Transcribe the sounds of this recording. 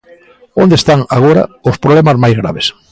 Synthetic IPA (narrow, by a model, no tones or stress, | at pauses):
õnd̪est̪aŋaɣoɾa̰ospɾoβlemazmajzɣɾa̰βes